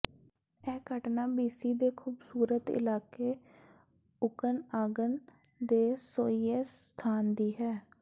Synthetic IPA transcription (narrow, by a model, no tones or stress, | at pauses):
ɛːkəʈnaːbiːsiːd̪eːkʰuːbsuːɾət̪ɪ̰laːkeː | ʊkənaːɡən | d̪eːsoːiːeːst̪ʰaːnd̪iːɦɛː